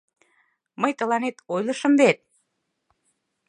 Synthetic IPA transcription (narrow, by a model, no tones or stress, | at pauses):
məjt̪ə̆lɑnet̪ojlə̆ʃə̆mβet̪̚